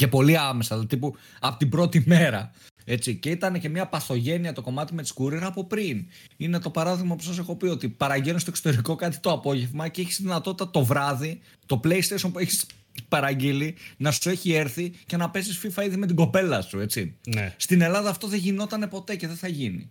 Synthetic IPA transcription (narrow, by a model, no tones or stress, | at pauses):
ce̞po̞liɐmesɐlt̪ipu | ɐpot̪ibɾo̞t̪ime̞ɾɐ | e̞t͡sice̞it̪ɐne̞ce̞mɲɐpɐθo̞ʝe̞niɐt̪o̞ko̞mɐt̪ime̞t̪i̥skuɾeɾɐpo̞pɾin | ine̞t̪o̞pɐɾɐðiɣmɐposɐs̬e̞xo̞pio̞t̪ipɐɾɐɟenest̪o̞kso̥t̪e̞ɾiko̞kɐt̪i̥t̪oɐpo̞ʝe̞vmɐceeçist̪iðinɐt̪ot̪i̥t̪ɐt̪o̞vɾɐði | t̪o̞ple̞ist̪esompueçi̥s | pɐɾɐɟilinɐsue̞çie̞ɾθice̞nɐpe̞sisfifɐiðime̞t̪̬iɡo̞pe̞lɐsue̞t͡sist̪ine̞lɐðɐːft̪o̞ðeʝino̞t̪ɐne̞po̞t̪e̞ce̞ðeθɐʝinḭ